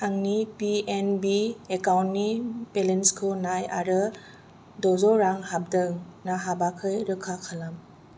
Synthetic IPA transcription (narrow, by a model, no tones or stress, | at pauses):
aŋnipienbiekawntnipelenskʰɯnaja̰ɾɯ | dɔzɔɾaŋhab̚dɯŋnaɦabakʰɯjɾɯkʰakʰalam